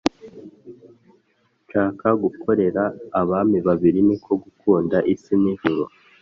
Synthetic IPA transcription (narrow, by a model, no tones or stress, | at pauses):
t͡ʃaːkaɡukʰo̞ɾe̞ɾaːβamiβaβiɾinikʰo̞ɡukʰuːndaʔisiniʒuɾo